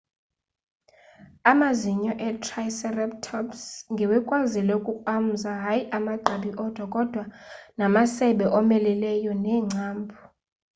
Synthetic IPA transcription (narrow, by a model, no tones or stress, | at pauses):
amaziɲɔʔɛtʰrajsɛrɛptʰɔpsŋɡʱiwɛkʼwazilɛukʼukʼam̩zaɦajiʔamaǃaɓiʔɔd̥ʱwakʼɔd̥ʱwanamasɛɓɛʔɔmɛlɛlɛjɔnɛːŋ͡ǀʱaːmbʱu